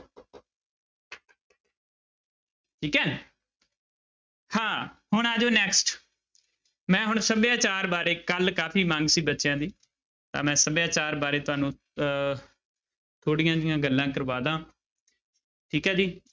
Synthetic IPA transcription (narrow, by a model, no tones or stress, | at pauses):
ʈʰiːkɛː | hãːhʊɳaːd͡ʒoːnɛːksʈ | mɛ̃ːɦʊɳsəbjãːt͡ʃaːɾbaːɾeːkəlkaːpʰiːmãŋɡsiːbətːʃjãːd̪iː | t̪ã̰ːmɛ̃ːsəbjãːt͡ʃaːɾbaːɾeːt̪ʊɦaːnũː | t̪ʰoːɽɪjãːd͡ʒ̪ɪjãːɡəlːãːkəɾʋaːd̪ãː | ʈʰiːkɛːd͡ʒiː